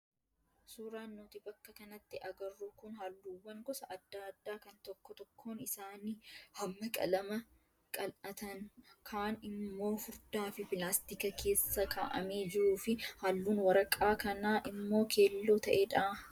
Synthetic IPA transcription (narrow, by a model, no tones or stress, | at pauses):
suːɾaːnːoːt̪ɪbɐkːɐkɐnɐt̪ːɪʔɐɡɐrːukʊnɦalːuːwːɐŋɡɔsɐʔɐd̪ːaːɐd̪ːaːkɐnt̪ɔkːɔt̪ɔkʰːoːnɪsaːnihɐmːɐkʼɐ̰lɐmɐ | kʼɐlɐt̪ɐnkʰaːnɪmːo̞ːfʊɾd̪aːfɪpɪlaːst̪ɪkɐkʰe̞ːsːɐkʰa̰ːʔɐ̰me̞ːd͡ʒɪɾuːfɪhalːuːnwɐɾɐkʼaːkɐnaːʔɪmːo̞ːkʰe̞ːlːoːt̪ɐʔeːᶑɐː